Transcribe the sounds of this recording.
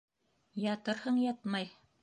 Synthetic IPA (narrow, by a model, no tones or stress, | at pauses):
jɑt̪ɤɾhɤɴjɑt̪mɑj